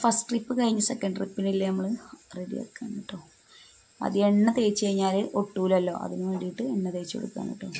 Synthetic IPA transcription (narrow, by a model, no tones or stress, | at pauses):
fɐsʈripːɨkɐɻiɲːɐsekːɐɳɖripːinilːɐnɐmːɐɭɨreɽḭjo̰kːa̰ːnoʈːoː | ɐ̰ðɨeɳːɐt̪e̞ːt͡ɕːɨt͡ɕejiɲːaːlʔoʈːuːlɐlːo̞̰ːʔɐ̰ðinɨʋɐɳɖijiʈːɨeɳːɐt̪ðe̞ːt͡ɕːḛɽṵkːa̰ːnːo̰ʈːoː